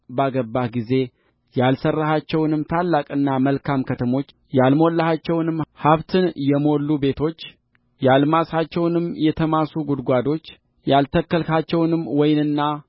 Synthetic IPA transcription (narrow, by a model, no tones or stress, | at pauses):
baɡəbːaɡize̞ | jalsərːahat͡ʃːɛwnɨmːt̪ʰalːakʼɨnːaməlkʰamkʰət̪ʰəmo̞t͡ʃː | jalmolːəhat͡ʃːɛwnɨmːhaβt̪ʰɨnjɛmo̞lːube̞t̪ʰo̞t͡ʃː | jalmasat͡ʃːɛwnɨmːjɛt̪ʰəmasuɡud̪ɡʷad̪o̞t͡ʃː | jalt̪ʰəkːəlkat͡ʃːɛwnɨmːwɔjnɨnːa